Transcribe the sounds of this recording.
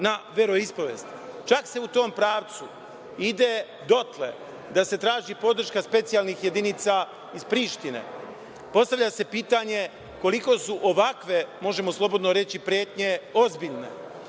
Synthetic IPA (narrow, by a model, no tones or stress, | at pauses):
naʋe̞ɾo̞ispoʋeːst̪t͡ʃakse̞ut̪o̞ːmpɾaːʋt̪su | id̪e | d̪o̞t̪le̞̰ | d̪ase̞t̪ɾaːʒipo̞d̪r̩ʃkaspe̞t̪sijalnixje̞d̪init̪sa | ispɾiːʃt̪inḛ | po̞st̪aʋʎase̞piːt̪aɲe̞ | ko̞liko̞suʔoʋakʋe̞mo̞ʒe̞moslˠo̞bo̞d̪noɾe̞t͡ɕipɾjeːt̪ɲe̞o̞zbiʎne̞̰